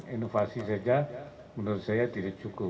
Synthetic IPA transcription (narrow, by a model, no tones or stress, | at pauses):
inofasisad͡ʒa | mənursajat̪idakt͡ʃuku